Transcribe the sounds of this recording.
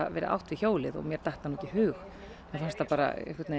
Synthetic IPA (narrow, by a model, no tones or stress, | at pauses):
avɛ̰ːɾɪ̰ʔa̰wht̪vɪçoːwlɪðɔ̰ɣmjɛɾ̥t̪ajht̪hanːuɛcɪhʏːx | mɛfanst̪apaːɾa̰ḛhkvɛt̪ne